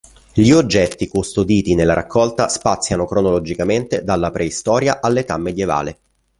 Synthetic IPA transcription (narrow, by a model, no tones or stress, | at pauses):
ʎiod͡ʒːɛt̪ːikust̪od̪iːt̪inelːaɾʔa̰kʰːɔlt̪aspat̪sːjanokɾonolod͡ʒikament̪ed̪alːapɾeist̪ɔːɾjaʔalːet̪amːed̪jeva̰ːle